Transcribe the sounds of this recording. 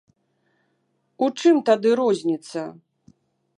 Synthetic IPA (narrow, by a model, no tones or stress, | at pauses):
ut͡ʂɨmt̪ad̪ɨɾɔzʲnʲit̪sːɐ